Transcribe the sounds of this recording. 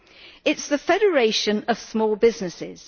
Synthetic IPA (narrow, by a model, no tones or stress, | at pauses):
ɪtsðəfɛɾəɹeɪʃə̃nəv̥smɔːlˠbɪznɪsɪz̥